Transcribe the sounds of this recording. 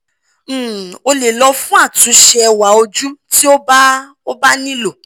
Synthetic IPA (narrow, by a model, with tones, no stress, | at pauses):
o˧le˨lɔ˧fũ˦a˦˨tũ˨˦ʃɛ˧wa˨˦o˧d͡ʒu˦ti˦o˦b | o˦ba˦nĩ˦lo˦˨